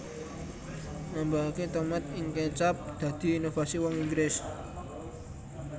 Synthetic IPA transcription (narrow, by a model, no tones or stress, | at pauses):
nambaɦaket̪əmɛt̪ɪŋkɛt͡ʃap̚d̪̥a̤d̪̥i̤ːnofasiwɔŋiŋɡɾes